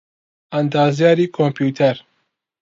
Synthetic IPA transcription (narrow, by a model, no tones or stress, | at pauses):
and̪ɑːzijɑːɾiːkʰompʰjuːt̪ʰɛɾ